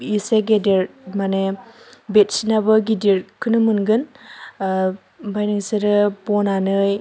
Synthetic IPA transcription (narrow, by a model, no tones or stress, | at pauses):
iseɡedeɾmanebet̚sinabɯɡidiɾkʰɯnɯmɯnɡɯn | bajnɯŋseɾɯpɔnanɯj